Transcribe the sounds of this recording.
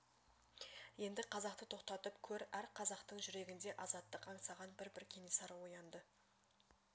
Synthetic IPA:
je̞nd̪ɪqʰɑzɑqt̪ət̪ʰo̞qt̪ɑt̪əpkʲʰɵɾæɾqʰɑzɑqt̪əɴʒʏɾe̞ɡʲɪnd̪e̞ʔɑzɑt̪ːəqɑɴsɑʁɑnbɪɾbɪɾkʲʰe̞ne̞sɑɾwo̞jɑnd̪ə

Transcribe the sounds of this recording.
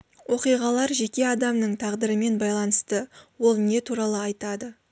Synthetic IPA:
wo̞qijʁɑlˠɑɾʒe̞kʲe̞ɑd̪ɑmnəɴt̪ʰɑʁd̪əɾəme̞nbɑjlˠɑnəst̪əwo̞lˠne̞t̪ʰuɾɑlˠəɑjt̪ɑd̪ə

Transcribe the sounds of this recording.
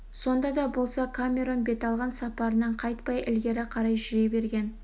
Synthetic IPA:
so̞nd̪ɑd̪ɑbo̞lˠsɑkʰamʲe̞ɾo̞nbe̞t̪ɑlˠʁɑnsɑpɑɾənəɴqʰɑjt̪̚pɑjʔɪlɡʲe̞ɾɪqʰɑɾɑjʒʏɾebe̞ɾɡʲe̞n

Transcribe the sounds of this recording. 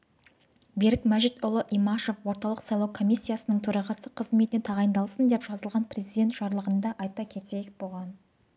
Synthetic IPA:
beɾɪkmæʒɪt̪ʊlˠəʔimɑʃo̞fwo̞ɾt̪ɑlˠəqsɑjlˠɑwkʰo̞mʲijsʲːijasənəɴt̪ʰɵɾɑʁɑsəqʰəzme̞t̪ɪnet̪ʰɑʁɑjnd̪ɑlˠsənd̪e̞pʒ̥ɑzəlˠʁɑnpʰre̞zijd̪ʲe̞nt̪ʒ̥ɑɾlˠəʁənd̪ɑʔɑjt̪ɑkʲʰe̞t̪ekbolˠʁɑn

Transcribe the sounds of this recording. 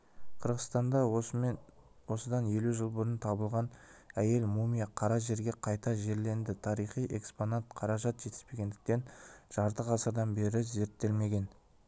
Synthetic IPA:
qʰəɾʁəst̪ɑnd̪ɑ | wo̞səd̪ɑnje̞luʒəlˠbʊɾənt̪ʰɑbəlˠʁɑnæje̞lmumijɑqʰɑɾɑʒe̞ɾɡʲe̞qʰɑjt̪ɑʒe̞ɾle̞nd̪ɪt̪ʰɑɾijχijʔe̞ksponɑt̪qʰɑɾɑʒɑt̪ʒe̞t̪ɪ̥spe̞ɡʲe̞nd̪ɪ̥k̚t̪e̞nʒ̥ɑɾt̪əqɑsəɾd̪ɑnbe̞ɾɪze̞ɾt̪ːe̞lme̞ɡʲe̞n

